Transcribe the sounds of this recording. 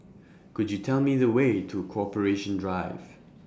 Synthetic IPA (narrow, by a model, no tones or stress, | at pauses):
kʊd͡ʒjɨtʰɛlˠmiðəweɪtʰuəkʰoɔpəɹeʃə̃ndɹaɪv̥